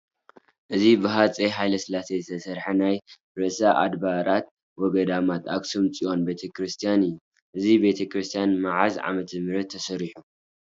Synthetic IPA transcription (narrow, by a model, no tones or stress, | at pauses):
ʔɨzibɨɦat͡sʼeɦajlɐsɨlasezɨt̪ʰɐsɐɾħanaj | ɾɨʔsaʔa̰d̪baɾat̪̚ | wɔɡɐd̪amat̪ʰa̰ksumt͡sʼio̞nbe̞t̪ʰɐkɾɨst̪ʰijanɨjːu | ʔɨzibe̞t̪ʰɐkɾɨst̪ʰijanmaʕazʕa̰mɐt̪ʰɐmɨɾɐt̪ʰːɐsɐɾiħu